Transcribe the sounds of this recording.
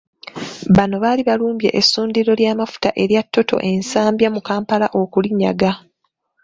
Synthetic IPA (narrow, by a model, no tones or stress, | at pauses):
βano̞βaːliβaluːmbje̞̰ʔesːuːndiɾo̞ljaːmafu̥taʔe̞ɾjatʰːo̞to̞̰ʔe̞nsaːmbjamukaːmpalaʔo̞kuliɲːa̰ɡa